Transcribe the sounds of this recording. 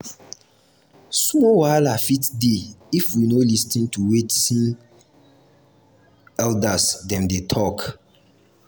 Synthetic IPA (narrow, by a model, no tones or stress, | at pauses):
smɔwaɪlafitdeifwinolistĩntuwetsĩn | ɛldasdɛ̃mdetʰɔk